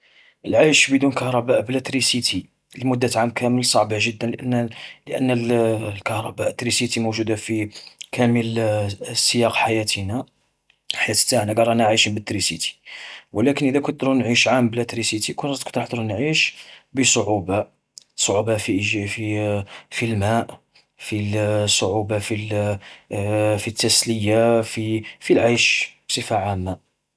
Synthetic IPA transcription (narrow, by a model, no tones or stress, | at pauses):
ʔəlʕajʃbəd̪unkɑhɾˤɑbæʔblæt̪ɾisit̪ʰi | lmʊd̪ːæt̪ʕamkʰæməlsˤɑʕbaʒəd̪ːənlʔnːləʔə̰nːællkɑhɾˤɑbæʔət̪ːɾisit̪imoʒud̪afikʰæməl | səjɑqħajæt̪ina | ħajæt̪ə̥t̪ːaʕnaɡɑɾˤɑnaʕaʃimbət̪ːɾisḭt̪i̥wlækənʔid̪ækʊd̪ɾunʕiʃʕamblæt̪ɾisit̪ikʊnt̪kd̪ɾħd̪ɾunʕiʃbəsˤoʕuba | sˤoʕubafififilmæʔ | fisˤoʕubafil | fit̪ːæsləjafifilʕajʃbsˤəfaʕamːa